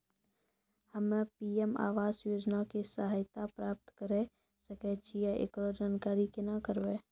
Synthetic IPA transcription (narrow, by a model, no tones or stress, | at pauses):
həmepiːema̰ːʋaːzjoːd͡ʒnakisaɦajt̪apɾaːp̚t̪kəɾe | səket͡ʃʰijeʔḛkɾod͡ʒaːnkaːɾikenakəɾbeː